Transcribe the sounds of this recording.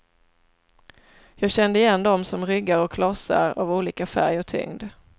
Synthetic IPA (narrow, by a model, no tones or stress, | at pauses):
jɑːɡɕɛnd̪əɪjɛnːd̪ɔmsɔmɾʏɡːaɾɔkʰlɔsa̰ɾa̰vuːliːkafæ̰ɾjɔt̪ʰʏ̰ŋd̪